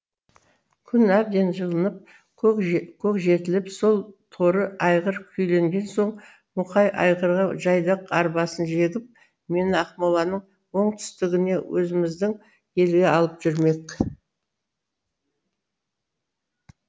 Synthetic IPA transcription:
kʲʰʏnæb̚d̪e̞nʒəlˠənəp̚ | kkʲʰɵkʒe̞t̪ɪlɪpso̞lˠt̪ʰo̞ɾəɑjʁəɾkʲʰʏjle̞ŋɡʲe̞nso̞ɴ | mʊqɑjʔɑ̰jʁəɾʁɑʒɑjd̪əqɑɾbɑsənʒe̞ɡʲɪp̚ | me̞nɪɑqmolˠɑnəɴ | wo̞ɴt̪ʰʏ̥st̪ɪɡʲɪne̞wʔɵzɪmɪzd̪ɪŋ | je̞lɡʲe̞ɑlˠəpʒ̥ʏɾme̞k

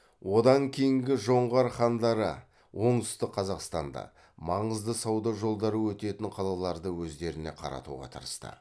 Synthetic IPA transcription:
wʔo̞d̪ɑŋkʲʰejɪŋɡʲɪʒo̞ɴʁɑɾχɑnd̪ɑɾə̰ | wo̞ɴt̪ʏ̥st̪ɪq̚qʰɑzɑqst̪ɑnd̪ɑ̰ | mɑɴəzd̪əsɑwd̪ɑʒo̞lˠd̪ɑɾəwɵt̪e̞t̪ɪɴqʰɑlˠɑlˠɑɾd̪əwɵzd̪e̞ɾɪne̞̰qʰɑ̰ɾɑ̰t̪ṵʁɑ̰t̪ʰə̰ɾəst̪ə̰

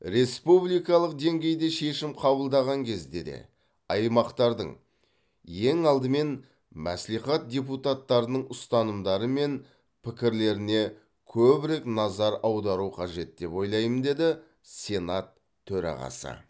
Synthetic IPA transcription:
ɾe̞spublijkɑlˠəq̚d̪e̞ŋɡʲe̞jd̪e̞ʃe̞ʃɪmqʰɑbəlˠd̪ɑʁɑŋkʲʰe̞zd̪e̞d̪e̞̰ | ɑjmɑqt̪ɑɾd̪ə̰ɴ | je̞ŋɑlˠd̪əme̞n | mæ̰sliχɑt̪̚d̪ʲep̬ut̪at̪ːɑɾənəɴʊst̪ɑnəmd̪ɑɾəme̞n | pʰɪkʲɪɾle̞ɾɪne̞ | kʲʰɵbɪɾe̞knɑzɑɾɑwd̪ɑɾuqʰɑʒe̞t̪̚d̪e̞pwo̞jlˠɑjmənd̪e̞d̪ɪ | sʲe̞nat̪ʰː | ɵɾɑ̰ʁɑ̰sə̰

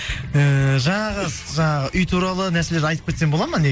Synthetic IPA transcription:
əʒɑɴɑʁəz | ʒɑɴɑʁəʔʏjt̪ʰuɾɑlˠənæɾse̞leɾɑjt̪əp̚kʰʲe̞t̪se̞nbolˠɑməne

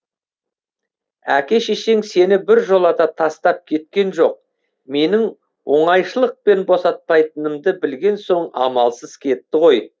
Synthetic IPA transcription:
ækʲe̞ʃeʃe̞ŋse̞nɪbɪɾʒo̞lˠɑt̪ɑt̪ʰɑst̪ɑp̚kʲʰe̞t̪̚kʲe̞nʒo̞q̚ | me̞nɪŋ | wo̞ɴɑjʃəlˠəq̚pe̞nbo̞sɑt̪̚pɑjt̪ənəmd̪əbɪlɡʲe̞nso̞ɴɑ̰mɑlˠsəzkʲʰe̞t̪ːɪʁo̞j

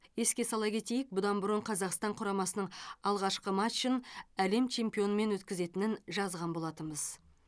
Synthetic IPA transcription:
je̞skʲe̞sɑlˠɑkʲʰe̞t̪e̞jɪk̚bʊd̪ɑnbʊɾəɴqʰɑzɑqst̪ɑɴqʰʊɾɑmɑsənəɴɑlˠʁɑʃqəmaʃːənæle̞mt͡ʃʰe̞mpijo̞nəme̞nwɵt̪kʲɪze̞t̪ɪnɪnʒɑzʁɑnbo̞lˠɑt̪əməz̥

